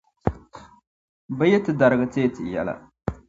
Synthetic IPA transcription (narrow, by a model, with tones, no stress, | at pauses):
ba˦jɛ˦tɨ˨da˨ɾɨ˨ɡɨ˦te˦tɨ˨jɛ̰˨la̰˨